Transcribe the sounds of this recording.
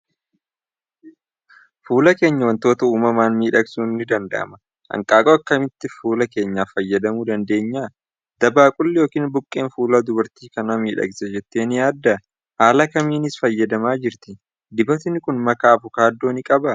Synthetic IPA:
fuːlɐke̞ːɲːɐwɐnt̪o̞ːt̪ɐuːmɐmaːnmiːᶑɐɡsuːnːɪd̪ɐnd̪ɐ̰ʔɐ̰mɐ | ʔɐ̰ŋkʼaːkʼoːɐkːɐmɪt̪ːɪfuːlɐke̞ːɲːaːfɐjːɐd̪ɐmuːd̪ɐnd̪e̞ːɲːaː | d̪ɐbaːkʼʊlːɪjoːkiːnbʊkʼːe̞ːnfuːlaːd̪ʊbɐɾt̪iːkɐnɐmiːᶑɐ̰ɡsɛd͡ʒɛt̪ːeːnjaːd̪ːɐ | haːlɐkɐmiːnɪsfɐjːɐd̪ɐmaːd͡ʒɪɾt̪ɪ | d̪ɪbɐt̪ɪnɪkʊnmɐkaːbʊkaːd̪ːo̞ːnɪkʼɐbɐ

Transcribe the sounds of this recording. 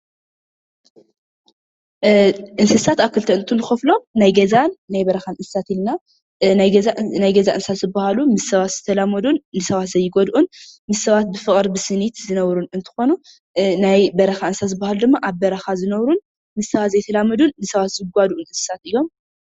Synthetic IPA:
ʔɨnsɨsat̪aβkʰɨlt̪ʰɐʔɨnt̪ʰunɨxɐflo̞mnajɡɐzanːajbɐɾɐxanɨnsɨ̥sat̪ilna | najɡɐzaʔɨnsat̪zɨbːahalumɨsːɐβat̪z̥ɨt̪ʰɐlamɐd̪unːɨsɐβat̪zɐjːɪɡod̪ʔunmɨsːɐβat̪̚bɨfɨχʼɾbɨsɨnit̪zɨnɐβɾunɨnt̪ʰɨ̥xo̞nu | najbɐɾɐxaʔɨnsat̪zɨbːahalud̪ɨmːaʔaβbɐɾɐxazɨnɐβɾun | mɨsːɐβat̪zɐjt̪ʰɐlamɐd̪unːɨsɐβat̪zɨɡʷad̪ʔunɨnsɨ̥sat̪ʔɨjo̞m

